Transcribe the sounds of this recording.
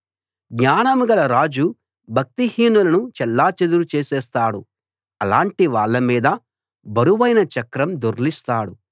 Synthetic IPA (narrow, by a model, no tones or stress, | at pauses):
ɡɲaːnɐmɡɐlɐɾaːd͡ʒu | bʱɐk̚t̪ihiːnulɐnut͡ʃɛlːaːt͡ʃed̪uɾut͡ʃeːsɛːst̪aːɽu | ɐlaːɳʈiʋaːɭːɐmiːd̪ɐ | bɐɾuʋɐjnɐt͡ʃɐkɾɐmd̪oɾlist̪aːɽu